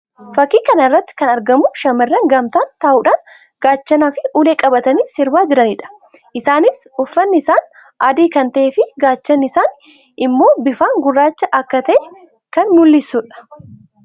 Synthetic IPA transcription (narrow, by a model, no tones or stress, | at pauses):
fɐkːiːkɐnɐrːɐt̪ːɪ̥kɐnɐɾɡɐmʊʃɐmɐrːɐŋɡɐmt̪aːnt̪aːʔuːᶑaːn | ɡ̥aːt͡ʃːɐnaːfɪuːleːkʼɐbɐt̪ɐniːsɪɾbaːd͡ʒɪɾɐniᶑɐ̥ | ʔɪsaːnɪsʊfːɐnːɪɪsaːn | aːd̪iːkɐnt̪ɐʔeːfɪɡaːt͡ʃːɐnːɪɪsaːn | ɪmːo̞ːbɪfaːŋɡʊrːaːt͡ʃːɐʔɐkːɐt̪ɐʔeː | kɐnːʊlːɪsʊᶑɐ̥